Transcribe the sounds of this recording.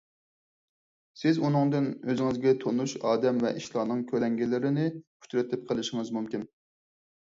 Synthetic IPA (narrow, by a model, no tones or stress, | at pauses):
sɪzunɨŋd̪ɨnøzɪŋɪzɡʲɛt̪ʰonuʃɑːd̪ɛmvɛʔiʃlˠɑːnɨŋkʲʰølɛŋɡʲilɪɾɪnɪpʰu̥t͡ʃɾɪt̪ʰɪp̚qʰəlˠɪʃɪŋɨzmumkʲin